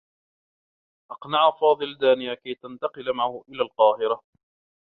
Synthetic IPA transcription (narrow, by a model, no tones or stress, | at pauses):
ʔɑqnaʕafɑːðˤɨld̪aːnɪjakajt̪ant̪ɑqɨlmaʕahʊʔɪlaːlqɑːhɪɾa